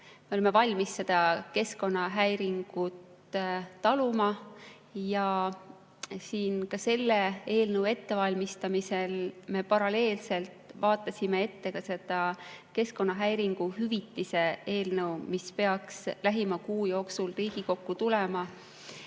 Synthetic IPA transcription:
me̞o̞leme̞vɑlʲmisːe̞d̪̥ɑke̞sko̞nːɑɦæjɾiŋɡ̥ut̪ | t̪ɑlumɑ | jɑ | siːnkɑse̞lːeeːlnəwe̞t̪ːe̞vɑlʲmist̪ɑmise̞lme̞pɑɾɑle̞ːlse̞lt̪ˑvɑːt̪ːˑɑsʲime̞e̞t̪ːe̞kɑse̞d̪̥ɑke̞sko̞nːɑɦæjɾiŋɡ̥uhyvit̪ːˑise̞e̞ːlnɤwmispe̞ɑkslæɦimɑkuːjo̞ːksulriːɡ̥iko̞kːut̪ulemɑ

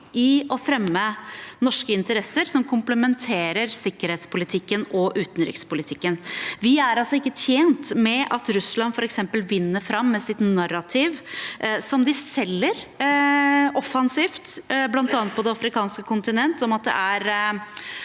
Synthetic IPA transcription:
ɪɔfɾɛmːənɔʂkəɪnt̪əɾɛsəɾsɔmkʰʊmpləmɛnt̪ʰeːɾəɾsɪkːəɾheːt̪spʰʊlɪt̪ʰɪkːənɔʔʉːt̪n̩ɾɪ̰kspʊlɪt̪ʰɪkːənʋɪæɾɑlsɔɪkːət̪ʰjeːnt̪mɛʔɑt̪ɾʉslɑnfɔɾɛksɛmpəlʋɪnːəɾfɾɑmːɛsɪt̪nɑrːɑt̪ʰiːʋsɔmd̪ɪsɛlːəɾ | ɔfːɑnsiːft̪blɑnt̪ɑːnt̪̚pʰɔd̪ɛɑfɾɪkʰɑːnskəkʰʊnt̪ɪnɛnt̪ɔmɑt̪̚d̪ɛ̰ʔæɾ

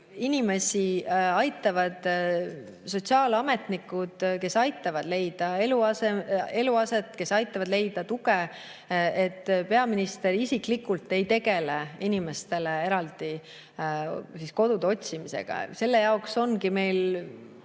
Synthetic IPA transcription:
inime̞siɑjt̪ːˑɑvɑd̪̥ | so̞t̪ʲsiɑːlɑme̞t̪nikːˑud̪̥ke̞sɑjt̪ːˑɑvɑd̪le̞jd̪̥ɑe̞luɑsee̞luɑse̞t̪ˑːke̞sɑjt̪ːˑɑvɑd̪̥le̞jd̪̥ɑt̪uɡ̥e | et̪ːpe̞ɑminist̪e̞ɾisiklikːult̪ːˑe̞jt̪e̞ɡ̥e̞leinime̞st̪e̞lee̞ɾɑld̪i | sisko̞d̪̥ud̪eo̞t̪ʲsimise̞̰ɡ̥ɑ̰se̞lːe̞jɑokso̞nkime̞jl

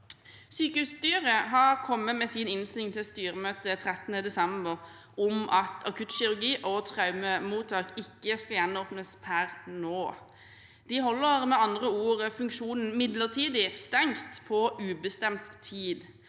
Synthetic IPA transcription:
syːkəhʉːsst̪yːʁəɦɑʁkʰɔmːəmɛsɪnɪnst̪ɪɪŋt̪ʰɪlst̪yːʁəmøːt̪ət̪ʰʁɛt̪ənəd̪ɛsɛmbəʁ | ɔmʔɑt̪ʰɑkʰʉt̪ʃɪɾʉɡiːʔot̪ʰʁɑʉməmuːt̪ʰɑːkɪkːəskɑjɛnoːpnəspʰæʁnoː | d̪̥iɦɔlːəʁmɛɑnd̪ʁəuːʁəfʉŋkʃuːnn̩mɪd̪ləʁt̪ʰiːd̪ɪst̪ɛŋt̪pʰɔʔʉːbəst̪ɛmt̪ʰːiːd̪

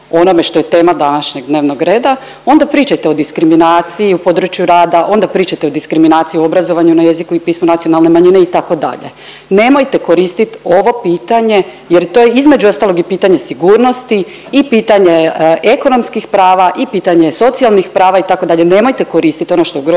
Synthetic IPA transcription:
o̞no̞meʃt̪o̞jet̪e̞ːmad̪anaʃɲeɡd̪ne̞ːʋnoɡɾe̞ːd̪a | o̞nd̪apɾiːt͡ʃajt̪e̞o̞d̪iskɾiminaːt̪sijiupo̞d̪ɾut͡ʃjuɾaːd̪aʔo̞nd̪apɾiːt͡ʃajt̪eo̞d̪iskɾiminaːt̪sijio̞bɾazo̞ʋaɲunaje̞zikuipiːsmonat̪sio̞nalˠne̞maɲine̞it̪ako̞d̪a̰ʎe̞̰ | ne̞mo̞jt̪e̞ko̞ɾist̪it̪o̞ʋo̞piːt̪aɲe̞ | jeɾt̪o̞jeizme̞d͡ʑuo̞st̪alˠo̞ɡipiːt̪aɲe̞siɡuːɾno̞st̪i | ipiːt̪aɲeeko̞no̞mskixpɾaːʋaʔipiːt̪aɲe̞so̞t̪sialˠnixpɾaːʋait̪akod̪aʎene̞mo̞jt̪eko̞ɾist̪it̪o̞no̞ʃt̪oɡɾ

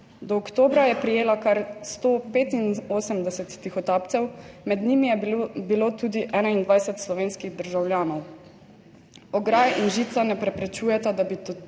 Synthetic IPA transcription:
d̪ɔːkt̪oːbɾajɛpɾijeːlakaɾst̪oːpeːt̪inoːsəmd̪ɛsɛt̪t̪ixɔt̪aːp̚t̪sɛwmɛd̪nimijɛbiloːt̪uːd̪iʔɛːnaind̪ʋajsɛt̪slɔʋeːnskiɣd̪əɾʒawljaːnɔw | ɔɡɾajinʒiːt̪sanɛpɾɛpɾɛt͡ʃuːjɛt̪ad̪abi

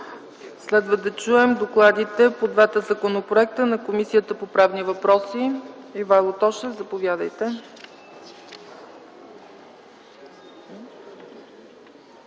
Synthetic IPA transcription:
slɛd̪vəd̪ɐt͡ʃuɛmd̪oklˠad̪it̪ɛpod̪vat̪əzɐkonopɾoɛk̚t̪ənɐkomisijət̪əpopɾavnivɐpɾɔsiivalˠot̪ɔʃɛvzɐpovjad̪əjt̪ɛ

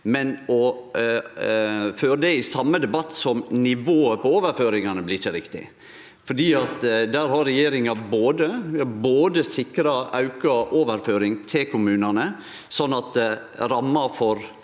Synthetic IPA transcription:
mɛnɔ | føːɾəd̪ɛɪsɑmːəd̪ɛbɑt̪ːsɔmnɪʋoːəpɔoːʋəɾføːɾɪŋɑnəblɪt͡ʃːəɾɪkt̪ɪ̰ | fɔɖiːɑt̪d̪æːɾɦɑɾːɛjeːɾɪŋɑboːd̪əʋɪhɑɾboːd̪əsɪkɾɑɑʉkɑoːʋəɾføːɾɪŋt̪ʰɪlkʰʊmʉːnɑnə | sɔnːɑt̪̚d̪ɛ | ɾɑmːɑfɔɾ

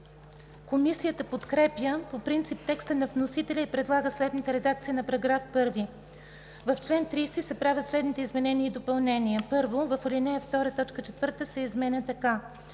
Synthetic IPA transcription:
komisijət̪əpot̪kɾɛpjəpopɾint̪sip̚t̪ɛkst̪ənɐvnosit̪ɛlʲəipɾɛd̪lˠaɡəslɛd̪nit̪ɛɾɛd̪ak̚t̪sinɐpɐɾɐɡɾafpɤɾvi | vɐft͡ʃlɛnt̪ɾiːst̪isɛpɾavʲjət̪slɛd̪nit̪ɛizmɛnɛniəid̪opɐlˠnɛniəpɤɾvovɐfɐlinɛjəft̪ɔɾət̪ɔt͡ʃkət͡ʃɛt̪vɤɾt̪əsɛizmɛnʲət̪ɐka

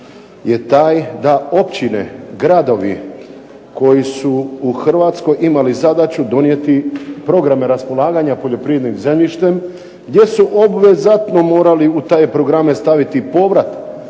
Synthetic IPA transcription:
je̞t̪aːjd̪ao̞pt͡ɕinḛɡɾad̪o̞ʋḭ | ko̞jisuːxr̩ʋaːt̪sko̞jimalizad̪at͡ɕud̪o̞nje̞t̪ipɾo̞ɡɾame̞ɾaspo̞lˠaːɡaɲapo̞ʎo̞pɾied̪nimze̞mʎiʃt̪e̞m | ɡd̪je̞suʔobʋe̞zat̪no̞mo̞ːɾaliut̪ajepɾo̞ɡɾamest̪aʋit̪ipo̞ʋɾat̪

